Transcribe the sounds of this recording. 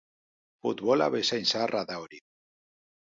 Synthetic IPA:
fut̪βola̰βesajnsarʔaðawɾi

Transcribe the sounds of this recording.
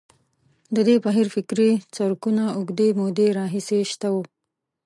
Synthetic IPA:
d̪əd̪ebaɦiɾfɪkɾit͡saɾkunaʊɡd̪emod̪eɾɑɦiseʃt̪awu

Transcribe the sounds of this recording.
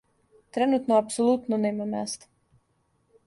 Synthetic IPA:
t̪ɾɛnut̪nɔapsɔlˠut̪nunɛjmɛmæːst̪

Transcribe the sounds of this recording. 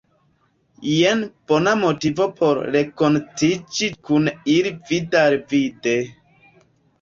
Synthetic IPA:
jenb̥onamotivopʰo̞ɾɾekontid͡ʒikunilividaɾvide

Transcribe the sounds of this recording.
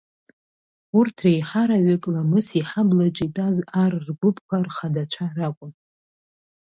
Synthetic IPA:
urtʰrejħaɾaɥʏkʼlamɨsiħablat͡ʃʷʼitʷʼazarrɡʷʊpʰʼkʷʰarχadat͡ʃʷʰarakʷʼʊn

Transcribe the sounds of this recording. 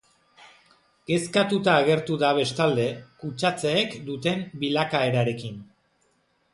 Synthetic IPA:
ɡ̥e̞skat̪ut̪aːɣ̞e̞ɾt̪uðaβ̞e̞st̪ald̪e̞kut͡ʃat͡seːkd̪ut̪e̞mbilakae̞ɾaɾe̞kin

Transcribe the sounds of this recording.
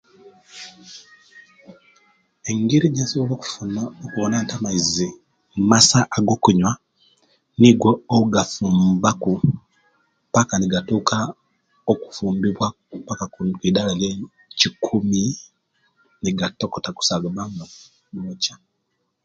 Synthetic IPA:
eŋɡiɾiɟasoβolokuunokuβonantamaizi | mumasaʔːɡo̞ːkuɲwa | niɡwoːuɡafuːmbaku | pakaniɡatuːkʰa | oku̥fuːmbiβwa | pakakukiːdalalje | cikʰumi | niɡatokotaku̥saɡaβama | nocḁ

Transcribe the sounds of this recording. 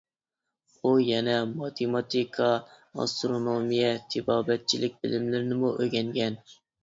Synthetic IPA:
ujɛnɛmɑt̪ʰemɑt̪ʰikʰɑ | ɑ̰st̪ɾonomijɛt̪ʰɪbɑːbɛt̪̚t͡ʃʰilɪk̚ʲbɪlɪmlɪɾnɪmuʔøɡʲɛŋɡʲɛn

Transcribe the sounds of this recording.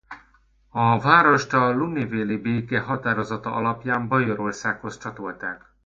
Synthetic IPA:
ɒvaːɾo̞ʃt̪ɒluniveːlibeːkeːɦɒt̪aːɾo̞zɒt̪ɒʔɒlɒpjaːmbɒjo̞ɾo̞rsaːkho̞st͡ʃɒt̪o̞lt̪aːk

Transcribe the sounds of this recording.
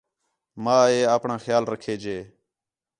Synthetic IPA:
mãːeːaːpɳãːxjaːlɾəkʰeːd͡ʒeː

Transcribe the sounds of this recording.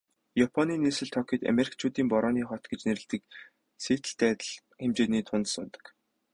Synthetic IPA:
japʰɔniːnesɘ̆ɮt̪ʰɔkʲiːt̪a̰meɾik̚ʰt͡ɕʰuːt̪iːmpɔɾɔːniːχɔt̪ɡet͡ɕneɾɘ̆ɮt̪ɘ̆k̚ | seːt̪ɘ̆ɬt̪æːt̪ə̆ɮ | xemt͡ɕeːniːt̪ʰʊnt̪sʊnt̪ə̥̆k

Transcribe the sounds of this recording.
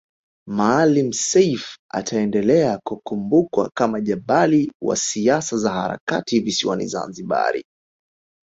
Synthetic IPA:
maːlim̩sɛjfa̰tʰaɛndɛlɛakukumbukwa̰kamaʄaɓaliwa̰siasazahaɾa̰kativisiwa̰nḭza̰nziɓa̰ɾḭ

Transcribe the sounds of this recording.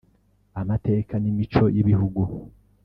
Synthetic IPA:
amate̞ːkanimit͡ʃo̞jiβihuɡu

